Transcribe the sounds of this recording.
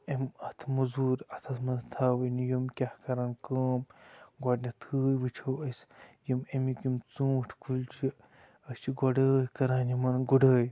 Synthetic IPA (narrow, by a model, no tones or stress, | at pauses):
emɐt̪ʰmɐzuːɾɐt̪ʰɐsmɐnt̪ʰaːwɨnjimkʲahkɐɾɐnkəːmɡwɔɖnɐt̪ʰɨːjʋɨt͡ʃʰɐwɐsʲjimemikimt͡sũːʈʰkʰult͡ʃʰi | ɐst͡ʃʰiɡoɖəːjkɐɾaːnimɐnɡuɖəːj